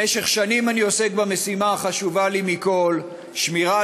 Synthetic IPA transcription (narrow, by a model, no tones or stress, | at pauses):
eʃe̞χʃanimanio̞se̞k̚bame̞simaːχaʃuvalimiko̞l | ʃmiʁa